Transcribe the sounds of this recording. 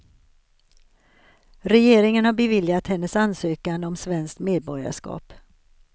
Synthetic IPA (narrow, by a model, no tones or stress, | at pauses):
ɾɛjeːɾɪŋənhaɾbɛvɪljat̪hɛnːəsansøːkand̪əɔmsvɛnskt̪meːd̪̚bɔɾja̰ʂkɑ̰ːp